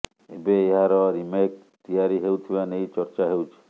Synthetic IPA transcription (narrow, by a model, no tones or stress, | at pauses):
ebeːɦaɾɔɾimek̚ | t̪ijaɾiɦewt̪ʰibanejt͡ʃɔɾt͡ʃaɦewt͡ʃʰi̥